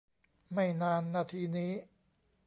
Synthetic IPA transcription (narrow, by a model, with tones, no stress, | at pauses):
ma˥˩jnaː˧nːaː˧t̪ʰiː˧niː˦˥